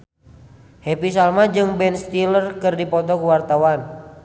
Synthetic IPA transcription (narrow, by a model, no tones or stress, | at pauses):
hɛpis̬almad͡ʒɨŋbɛnst̪ilərkɨrdipɔt̪ɔkuwart̪awan